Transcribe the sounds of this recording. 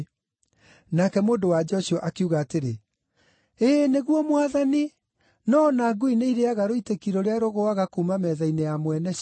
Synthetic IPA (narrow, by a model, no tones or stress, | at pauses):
nakɛmoːndowad͡ʒɔɕɔʔakeuɣaːteɾe | eːneɣwɔmwaðani | nɔnaːɡuineiɾeaɣaɾoitekiɾɔɾeaɾoɣoaɣakumamɛðainejamwɛnɛ